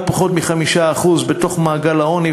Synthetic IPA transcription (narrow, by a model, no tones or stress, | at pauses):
paχo̞t̪miχamiʃaːχuzbet̪o̞χmaːɡalao̞ni